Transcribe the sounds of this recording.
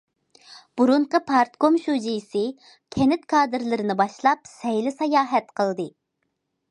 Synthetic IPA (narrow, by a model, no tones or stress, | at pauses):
b̥uɾuɴqəpʰɑɾt̪komʃud͡ʒijisɨ | kʲʰɛnɪt̪kʰɑːd̪ɨɾlˠɨɾɨnɨbɑʃlˠɑp̚sɛjlɪsɑjɑːɦɛt̪qʰəlˠd̪ɨ